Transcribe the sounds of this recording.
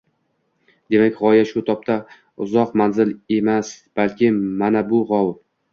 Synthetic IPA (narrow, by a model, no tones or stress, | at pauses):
d̪̥e̞makʲʁɒjaʃʊt̪ʰɒp̚t̪ʰa | ʊzɒqmanzɪle̞masb̥alkʲʰɪmanabʊʁɒw